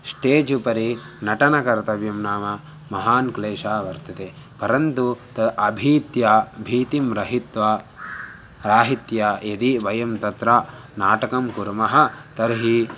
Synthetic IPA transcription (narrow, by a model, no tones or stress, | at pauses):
sʈeːd͡ʒupɐɾi | nɐʈɐnɐkɐɾt̪ɐʋjɐmnaːmɐ | mɐɦaːnkleːʃaːʋɐɾt̪ɐt̪e | pɐɾɐnt̪ut̪ɐʔɐbʱiːt̪jabʱiːt̪imɾɐɦit̪ʋɐ | ɾaːɦit̪jajɐd̪iʋɐjɐmt̪ɐt̪ɾaː | naːʈɐkɐmkuɾmɐɦɐ̆t̪ɐɾɦi